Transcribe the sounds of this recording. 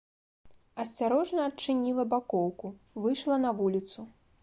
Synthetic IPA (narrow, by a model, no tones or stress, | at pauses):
ɐsʲt͡sʲaɾɔʐnɐːt͡ʂɨnʲilˠɐbakɔwku | vɨjʂlˠɐn̪ɐvulʲit̪su